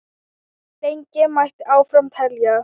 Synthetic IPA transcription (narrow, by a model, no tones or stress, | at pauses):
t̪ejɲcɪmajht̪aːwfɾamt̪ʰɛlja